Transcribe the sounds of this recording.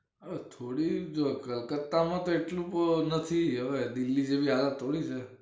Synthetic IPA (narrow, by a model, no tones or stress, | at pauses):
ət̪ʰoɽiokəlkət̪ːamãt̪oeʈlũpnət̪ʰiɦəʋed̪ɪlːid͡ʒebʱiɦalət̪ʰːoɽit͡ʃʰe